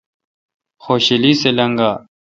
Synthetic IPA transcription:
xoːɕiliselɐŋɡaː

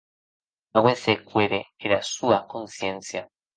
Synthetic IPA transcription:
awesekweɾeeɾasuakonsjensja

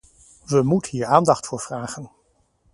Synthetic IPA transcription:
ʋəmutəɦiːɹaːndɑχtfʊːɹv̥raːχən

